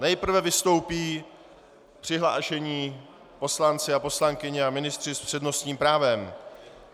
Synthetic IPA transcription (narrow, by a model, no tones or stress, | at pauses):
nɛjpr̩vɛvɪst̪o̞wpiː | pr̥ɪɦla̰ːʃɛɲiː | po̞slant͡sɪapo̞slaŋkɪɲɪamɪnɪst̪r̥ɪspr̥ɛdno̞st̪ɲiːmpɾaːvɛm